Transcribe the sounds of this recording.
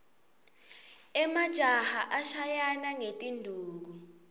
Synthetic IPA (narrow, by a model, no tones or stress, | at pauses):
ɛmad̥ʒ̥ʱahaʔaʃajanaŋetʼindʱuːk̬u